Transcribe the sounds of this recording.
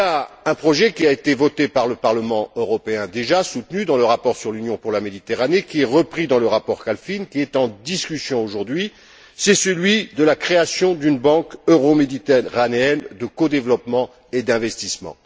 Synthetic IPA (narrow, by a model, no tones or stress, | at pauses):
iaɛ̃pχɔʒɛkʲiaet̪evɔt̪epaʁləpaʁləmɑ̃øʁɔpeɛ̃d̪eʒasut̪nyd̪ɑ̃ləʁapɔʁsyʁlynjɔ̃puʁlamed̪it̪eʁanekʲiɛʁəpχid̪ɑ̃ləʁapɔʁkalfinkʲiɛt̪ɑ̃d̪iskʲysjɔ̃oʒuʁd̪ɥi | sɛsəlɥid̪əlakχeasjɔ̃d̪ynbɑ̃køʁomed̪it̪eʁaneɛnd̪əkod̪evlɔpmɑ̃ | ed̪ɛ̃vɛst̪ismɑ̰̃